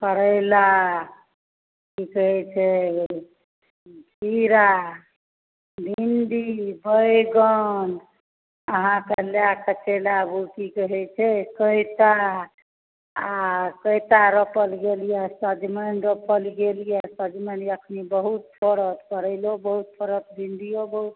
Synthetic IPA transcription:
kəɾəɪla | kikəɦɛt͡ʃʰɛ | d͡ʒʱiɾa | bʱinɖibəjɡən | əɦãkəljakət͡ʃelabukikəɦɛt͡ʃʰɛkəjt̪a | akəjt̪aɾəpəlɡelijesəd̪mənɾəpəlɡelijesəd͡ʒ̪məniəkʰnibəɦut̪̚pʰɔɾət̪pəɾəɪlobəɦut̪̚pʰəɾət̪̚bʱinɖ̪ijobəɦut̪̚

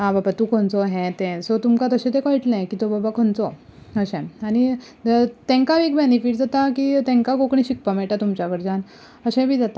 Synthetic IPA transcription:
ɦãbabat̪ukʰɔnt͡sɔɦɛ̃t̪ɛ̃sɔt̪umkat̪əɕẽt̪ekɔiʈlẽkiːt̪obabakʰɔnt͡sɔəɕɛ̃añi | t̪ɛ̃ŋkaʋikbenifiʈd͡zat̪akiːt̪ɛ̃ŋkaɡokɳiɕik̚pamɛɭʈat̪umt͡ɕakəɾd͡ʑan | əɕɛ̃bʱiːd͡zat̪a

